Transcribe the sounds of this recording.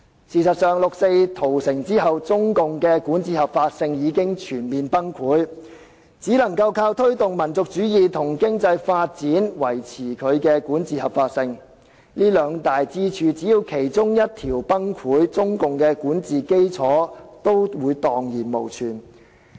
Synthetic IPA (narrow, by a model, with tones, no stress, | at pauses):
siː˨˩sɐ˨t̚sœː˨ŋlʊ˨k̚se˧jt̪ʰo˨˩wsɪ˨˩ŋt͡siː˥ɦɐ˨wt͡sʊ˥ŋkʊ˨ŋkɛ˧kuː˨˥nt͡siː˨hɐ˨˩p̚faː˧t̚sɪ˧ŋjiː˨˧kɪ˥ŋt͡ʃʰyː˨˩nmiː˨npɐ˥ŋkʰuː˨˥j | t͡siː˨˥lɐ˨˩ŋkɐ˧wkʰaː˧wt̪ʰɵ˥ɥt̪ʊ˨ŋmɐ˨˩nt͡sʊ˨k̚t͡ʃyː˨˥jiː˨t̪ʰʊ˨˩ŋkɪ˥ŋt͡sɐ˧jfaː˧t̚t͡siː˨˥nwɐ˨˩jt͡sʰiː˨˩kʰɵ˨˧ɥkɛː˧kuː˨˥nt͡siː˨˧hɐ˨p̚faː˧t̚sɪ˧ŋ | liː˥lœː˨˧ŋt̪aː˨jt͡siː˥t͡ʃʰyː˧t͡siː˨˥jiː˧wkʰe˨˩jt͡sʊ˥ŋjɐ˥t̚t̪ʰiː˨˩wpɐ˥ŋkʰuː˨˥jt͡sʊ˥ŋkʊ˨ŋkɛː˧kuː˨˥nt͡siː˨ke˥jt͡sʰɔː˨˥t̪o˥wwuː˨˧jt̪ɔː˨ŋjiː˨˩nmo˨˩wt͡ʃʰyː˨˩n